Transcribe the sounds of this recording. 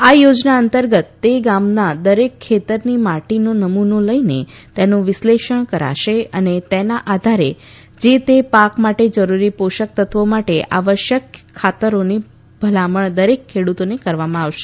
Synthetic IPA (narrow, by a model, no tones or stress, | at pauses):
ajod͡ʒnaənt̪əɾɡət̪ːeɡamnad̪əɾekʰːet̪əɾnimaʈinonəmunoləinet̪enõʋɪsleʃəɳ̃kəɾa̰ʃeənet̪enaʔad̪ʱaɾe | d͡ʒet̪epakmaʈed͡ʒəɾuɾipoʃək̚t̪ʰət̪ʰʋomaʈeʔa̰ʋəʃjəkʰːat̪əɾoni | b̥ʱəlaməɳd̪əɾekʰːeɽut̪onekəɾʋamãaʋʃe̥